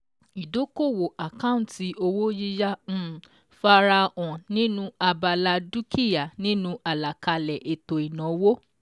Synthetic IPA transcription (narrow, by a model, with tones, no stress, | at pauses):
i˨do˨˦ko˦˨wo˨a˨kã˦ũ˦˨ti˧˦o˧wo˦ji˦ja˦˨ | fa˧ɾa˧ɔ̃˨nĩ˦nũ˦a˧ba˧la˧du˦ki˦ja˨nĩ˦nũ˦a˨la˨ka˧lɛ˨ʔe˨to˨i˨nɔ̃˨˦wo˦